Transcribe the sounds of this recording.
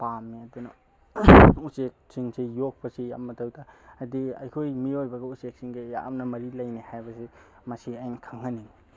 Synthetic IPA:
pamːiɐdunɐ | usek̚siŋsejok̚bɐsija̰mːɐtawdaːdiɐ̰jkʰojmiojbɐɡɐusek̚siŋɡeja̰ʔmnɐmɐɾilɐjnihajbɐsi | mɐsiajnkʰaŋhɐnin

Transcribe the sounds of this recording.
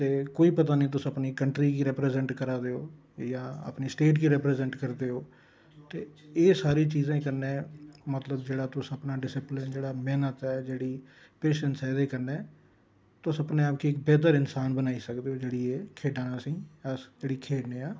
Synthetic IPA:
t̪eːkoːiːpət̪aːnĩːt̪ʊsəpniːkəɳʈɾiːɡiːɾɛːpɾɛːzɛɳʈkəɾaːd̪eːo̰ː | jãːə̰pniːsʈeːʈɡiːɾɛːpɾɛːzɛɳʈkəɾd̪eːoː | t̪eːsaːɾiːt͡ʃiːzẽːkəɾnẽːmət̪ləbd͡ʒeːɽaːt̪ʊsəpnaːɖɪsɪplɪnd͡ʒeːɽaːmɛːnət̪ɛːd͡ʒeːɽiː | peːʃənsɛːd̪eːkəɾnɛ̃ː | t̪ʊsəpnẽːaːp̚kiːɪk̚bɛːt̪əɾɪnsaːnbənaːiːsəkd̪eːoːd͡ʒeːɽiːeːkʰeːɖãːnaːsĩːəsd͡ʒeːɽiːkʰeːɖnẽːaː

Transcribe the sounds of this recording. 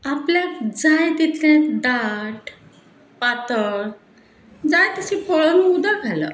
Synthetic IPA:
apljad͡zajt̪it̪ʰlad̪aʈ | pat̪əɭ | d͡zajt̪əɕipʰoɭənuud̪aɡʱalə̰

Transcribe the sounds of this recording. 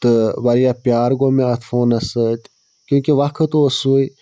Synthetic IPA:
t̪ɨʋɐɾijapjaːɾɡomẽɐt̪ʰfoːnɐsət̪ʲ | kʲjũːkeʋɐkʰət̪uosui

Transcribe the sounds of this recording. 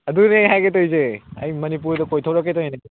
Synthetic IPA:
ɐduneɦajɡet̬ojzeɐ̰jmɐnip̬uɾdɐkojtʰɐwɾɐkːetojne

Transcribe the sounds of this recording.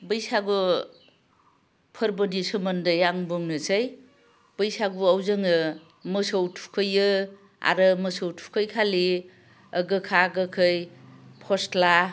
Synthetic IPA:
bɯjsaɡu | pʰəɾbɯdisɯmɐndɯjaŋbɯŋnɯsaj | b̥ɯjsaɡuawzɯŋɯ | mɯsowtʰu̥kʰɯjɯ | a̰ɾɯmɯsowtʰu̥kʰəjkʰali | əɡɯkʰaɡɯkʰɯjpʰɔstla

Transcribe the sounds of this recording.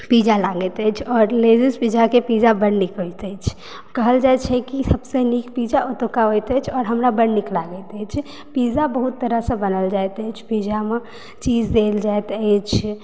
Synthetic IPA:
pid͡ʒalaɡət̪ət͡ʃʰɔːɾled͡ʒispid͡ʒakepid͡ʒabəɽnikɦojt̪ət͡ʃʰ | kəɦəld͡ʒajt͡ʃʰɛkisəbsenikpid͡ʒaʔot̪okaɦojt̪ət͡ʃʰɔːɾɦəmɾabəɽniklaɡət̪ət͡ʃʰ | pid͡ʒabəɦut̪ːəɾəɦsə̃bənəld͡ʒajt̪əjt͡ʃʰpid͡ʒame | t͡ʃid͡ʒd̪eld͡ʒaet̪ət͡ʃʰ

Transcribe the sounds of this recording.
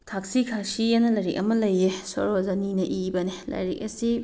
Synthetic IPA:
tʰak̚sikʰasienɐlɐɾik̚ɐmɐlɐjeso̰ɾozɐninɐʔibɐnelɐ̰ɾik̚ɐ̰si

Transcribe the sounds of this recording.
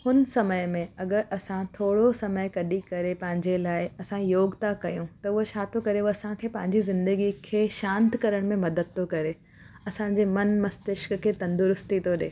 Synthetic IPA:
hʊnəsɐməjmẽɐɡəɾʔɐsãt̪ʰoːɽosɐməɪkɐɗikɐɾepɐ̃ɦɪ̃ɲd͡ʑelaːɪɐsãjoːɡt̪akɐjũt̪ɐʊɦot͡ɕaːt̪okɐɾeɐsãkʰeːpɐ̃ɦɪ̃ɲd͡ʑizɪ̃nd̪əɡikʰeːʃãːnt̪kɐɾəɽ̃mẽmɐd̪əd̪̚t̪ʰokɐɾe | ɐsãːɲd͡ʑeːmɐnmɐst̪ɪʃkkʰeːt̪ɐ̃nd̪ʊɾʊst̪ʰit̪ʰoɗḛː

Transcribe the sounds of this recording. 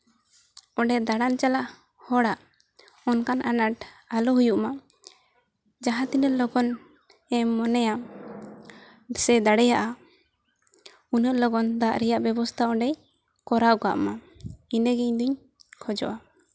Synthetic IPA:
ɔɖɛd̪aɽant͡ʃalaʔ | hɔɽaʔ | ɔnkanʔanaʈalɔɦujuʔma | d͡ʒaɦãt̪inəʔlɔɡɔn | ɛːɔnɛja | sɛd̪aɽɛjaʔa | unəʔlɔɡɔnd̪aʔɾɛjaʔbɛbɔst̪ʰaɔ̃ɖɛj | kɔɾaɡa̰ʔma | inəɡɛɲd̪uɲ | kʰɔd͡ʒɔ̰ʔa

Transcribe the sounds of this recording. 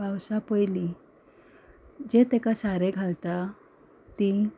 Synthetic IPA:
awsapəjli | d͡ʑet̪ekasaɾeɡʱalt̪a | t̪i

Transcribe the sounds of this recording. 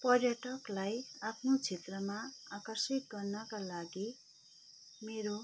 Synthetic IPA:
pʌrjʌʈʌklajapʰnot͡sʰet̪rʌmaakʌrsit̪̚ɡʌrnʌkalaɡi | meɾo

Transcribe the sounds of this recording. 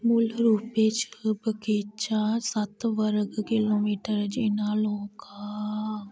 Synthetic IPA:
mʊlɾuːpet͡ʃəbəkeːt͡ʃasɐt̪ʋəɾəɡkɪloːmiːʈəɾd͡ʒenaːloːka

